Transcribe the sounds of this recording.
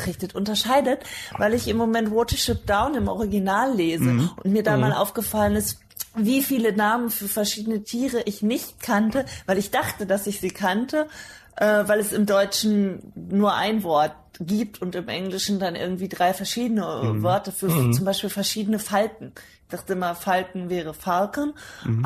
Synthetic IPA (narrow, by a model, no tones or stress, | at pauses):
ʁɪçtətʔʊntɐʃaɪdətvaɪlɪçɪmːomɛntvɔtɐʃɪp̚d̥aʊnɪmʔɔ̰ʁ̞iɡinaːlːeːzəʔʊntmiːɐdaːmaːlʔa̰ʊfɡ̥əfalənɪst | viːfiːlənaːmənfyːɐfɛɐʃiːdənətʰiːʁəʔɪçnɪçt̚kʰantəvaɪlɪçd̥aχtədasɪçz̥iːkʰantʰəʔɛːvaɪlɛsɪmdɔʏt͡ʃn̩nuːɐʔa̰ɪnvɔɐt̚ | ɡ̥iːp̚tʰʊntɪmʔɛŋlɪʃn̩danʔɪ̰ɐɡŋ̩tv̥iːdʁaɪfɛɐʃiːdənəvɔɐtəfyːɐft͡sʊmbaɪʃpiːlfɛɐʃiːdənəfalkŋ̩ | ɪçd̥aχtəɪmɐfalkŋ̩vɛːʁ̞əfalkn̩